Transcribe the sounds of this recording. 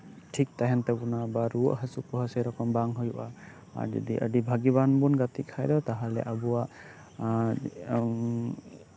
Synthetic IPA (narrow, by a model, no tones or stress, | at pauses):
ʈʰik̚t̪aɦɛnt̪ɛbunabaɾuoʔɦəsupɔɦəsejɾɔkɔmbaŋɦujuʔa | a̰ɾd͡ʒɔ̰d̪ḭʔə̰ɖibʱaɡibanbunɡat̪ik̚kʰajd̪ɔt̪aɦalɛ̰ʔabuwaʔ